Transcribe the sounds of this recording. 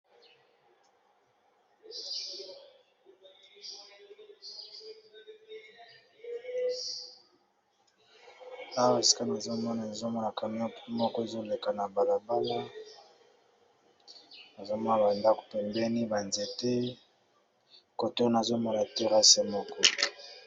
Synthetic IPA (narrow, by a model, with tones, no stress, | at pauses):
a˦wa˦e˨si̥˨ka˦na˨zo˦mɔ˦na˨ne˨zo˦mɔ˦la˨ka˨m˦o˦pmɔ˦kɔ˦e˨zo˦le˨ka˨na˨ba˨la˨ba˦la˦ | na˨zo˦mɔ˦na˨ba˨nda˦ko̥˨pɛ˨mbɛ˦ni˦ba˨nze˨te˦ | ko˨to˦na˨zo˦mɔ˨la˨te˦ʁa˦se˨˦mɔ˦kɔ˦